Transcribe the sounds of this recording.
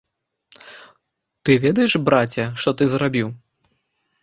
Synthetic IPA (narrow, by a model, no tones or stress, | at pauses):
t̪ɨvʲɛd̪ɐjɛʂbɾat͡sʲɐʂt̪ɔt̪ɨzrabʲiw